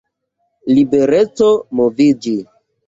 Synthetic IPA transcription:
libeɾet͡somovid͡ʒi

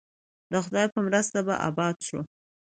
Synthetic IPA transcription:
d̪əxʊd̪ɑjpəmɾəst̪aba̰ʔɑ̰bɑd̪ʃṵ

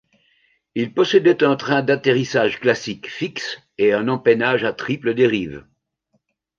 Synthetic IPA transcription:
ilpɔsed̪ɛt̪ɛ̃t̪χɛ̃d̪at̪eʁisaʒklasikfiks | eɛ̃nɑ̃pɛnaʒat̪χipləd̪eʁiːv

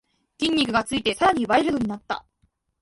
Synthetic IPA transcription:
kʲĩɲ̟ʲːikɯ̟ɡat͡sɨit̪e̞saɾaɲ̟iɯβae̞ɾɯ̟no̞ɲ̟inat̪ːa̰

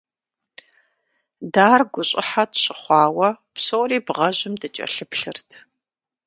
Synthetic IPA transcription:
daːrɡʷʊɕʼɪħatɕʼɪχʷɑːwɐpsoːwriːbʁɐʑɪmdɨt͡ʃʼɐ̰ɬɨpɬɨrtʰ

